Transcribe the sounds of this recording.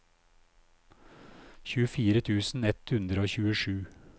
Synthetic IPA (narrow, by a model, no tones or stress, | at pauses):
çʉːəfiːɾət̪ʰʉːsn̩ɛt̪hʉnd̪ɾəoːçʉːəʃʉː